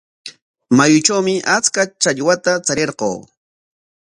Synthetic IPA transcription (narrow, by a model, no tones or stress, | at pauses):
majʊt͡ʃawmɪʔat͡skat͡ʃaʎwat̪at͡saɾeɾqo̰ː